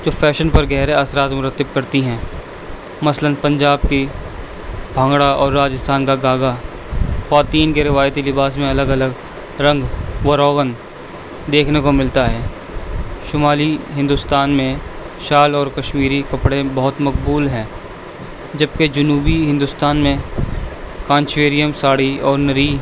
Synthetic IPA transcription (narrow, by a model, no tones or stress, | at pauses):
d͡ʒoːfʰɛːʃənpɐɾɡɛːɾeasɾaːt̪mʊɾət̪ːɪb̚kɐɾt̪iɦɛ̃ː | mɐslənpɐ̃ɲd͡ʒaːb̚ki | bʱə̃ːŋɡɽaɔːɾːaːd͡ʒəst̪ʰaːnkaɡaːɡa | xwaːt̪iːnkeɾɪʋaːjt̪ilɪbaːsmẽɐləɡɐləɡ | ɾɐ̃ŋɡʋɐɾɔːɡən | d̪eːkʰnekomɪlt̪aɦɛː | ʃʊmaːliɦɪ̃nd̪ʊst̪aːnmẽ | ʃaːlɔːɾkɐʃmiːɾikɐpɽebɐɦʊt̪mɐkbuːlɦɛ̃ː | d͡ʒɐb̚ked͡ʒɐnuːbiɦɪ̃nd̪ʊst̪aːnmẽ | kãːnt͡ʃʋeːɾijəmsaːɽiɔːɾnɐɾiː